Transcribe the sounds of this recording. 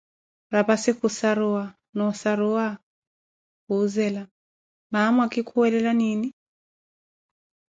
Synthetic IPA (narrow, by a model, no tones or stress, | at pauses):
ɾapasikusaɾua | nɔsaɾua | kuzɛla | mamwakikʰuwɛlɛlanini